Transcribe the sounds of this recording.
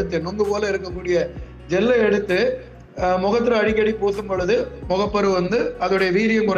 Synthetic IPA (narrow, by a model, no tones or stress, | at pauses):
ɯt̪ːɯnɔŋɡɯpoːlɐɪɾɯk̬ːɐkːuːɽɪjɐ | d͡ʒɛlːɐɛɽɯt̪ːɯ | mɔɣɐt̪ːɯɾɐɐɽɪkːɐɽipoːsɯmpɔɻɯðɯmɔɣɐpːɐɾɯʋɐnd̪ɯɐðɯɽɐjɐʋiːɾɪjɐŋkʊɾ